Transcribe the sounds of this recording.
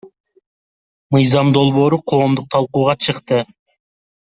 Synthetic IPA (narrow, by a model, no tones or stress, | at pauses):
mɯjzɑmd̪o̞lˠβo̞ːɾuqʰo̞ːmd̪uq̚t̪ʰɑlˠquːʁɑt͡ʃʰɯqt̪ɯ